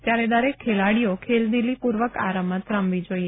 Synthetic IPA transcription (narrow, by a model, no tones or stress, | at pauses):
t̪jaɾed̪aɾekʰːelaɽijokʰeld̪ilipuɾʋəkaɾəmət̪ɾãmʋid͡ʒoie